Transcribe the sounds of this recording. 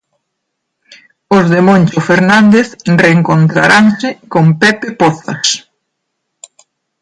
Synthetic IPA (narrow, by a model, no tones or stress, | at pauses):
ʊzðemõnʲt͡ʃofeɾnand̪eθreːŋkont̪ɾa̰ɾaŋsɪkompɛpepɔθɐ̰s